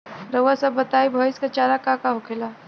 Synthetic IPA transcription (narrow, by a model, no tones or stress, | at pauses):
ɾəwasabət̪aibʱɔiskat͡ʃaːɾakakaɦokʰela